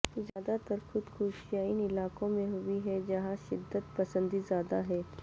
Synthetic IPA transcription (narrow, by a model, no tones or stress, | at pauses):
zjaːd̪at̪əɾxʊd̪xuːʃjaːɪnɪlaːkõmẽɦʊiɦɛd͡ʒɐɦãʃɪd̪ːət̪pɐsə̃nd̪izjaːd̪aɦɛː